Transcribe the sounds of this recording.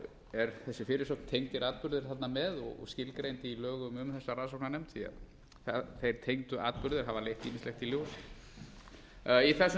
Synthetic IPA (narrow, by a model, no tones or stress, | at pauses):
ɛɾθɛsːɪfɪːɾɪsowkn̥t̪ʰejŋt̪ɪɾaːt̪pʏɾðɪɾ̥θat̪namɛðɔ̰ɣɔ̰ɣscɪlkɾejnt̪ɪilœːɣʏmʏmθɛsːaɾaːðsowknanɛmt̪θia̰ | θaθejɾ̥t̪ʰejŋt̪ʏa̰ːt̪pʏɾðɪɾɦavalejht̪iːmɪnst̪lɛxt̪iljowsɪ̥ | iθɛsː